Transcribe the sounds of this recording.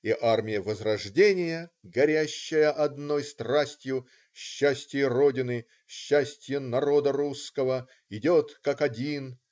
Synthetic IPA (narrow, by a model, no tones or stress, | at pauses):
iʔarmʲɪjəvəzrɐʐdʲenʲɪjəɡɐɾʲæɕːɪjəʔɐd̪no̞jst̪rasʲtʲjʊ | ɕːæsʲtʲɪjəro̞dʲɪnɨ | ɕːæsʲtʲjənɐɾo̞d̪əɾuskəvə | ɪdʲo̞t̪kakɐdʲin